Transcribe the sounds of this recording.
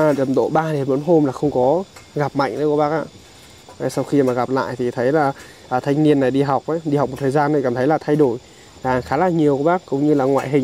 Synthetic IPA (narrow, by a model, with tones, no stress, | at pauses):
ɗə˨˩mɗo̰˧˨ɓaː˧ɗe˨˦nɓə˨˦nɦo˧mlaː˨˩xə˧wŋ͡mkɔ˨˦ɣa˨˩p̚ma̰˧˨jŋ̟ɗə˨˦kɓaː˦˥k̚ʔa̰ː˧˨˩ | sa˧wxi˧maː˨˩ɣa˨˩p̚la̰ː˧˨jt̪ʰi˨˩t̪ʰə˨˦jlaː˨˩ | ʔːt̪ʰa˧jŋ̟ni˧ənːa˨˩jɗi˧ɦa˨˩wk͡p̚ʔa˨˦jɗi˧hk͡p̚mo˨˩t̪̚ʰːzaː˧nt̪o˨˩kaː˨˩mt̪ʰə˦jlaː˨˩t̪ʰa˧jɗo˧˩j | laː˨˩xaː˨˦laː˨˩ɲi˨˩əwku˧˩˦ɓaː˦˥kkːʊ̰˧˥˦ŋ͡mɲɨ˧laː˨˩ŋwa̰ː˧˨jɦï˨˩ŋ